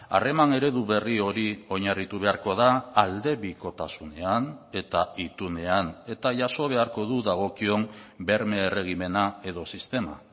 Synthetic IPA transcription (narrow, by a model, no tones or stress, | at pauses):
a̰re̞mane̞ɾe̞ðuβe̞rio̞ɾio̞ɲarit̪uβe̞aɾko̞ðaːld̪e̞βiko̞t̪asune̞ane̞t̪ait̪une̞ane̞t̪aʝaso̞β̞e̞aɾko̞ðuðaɣ̞o̞kio̞mbe̞ɾme̞ːre̞ɣ̞ime̞nae̞ðo̞sist̪e̞ma̰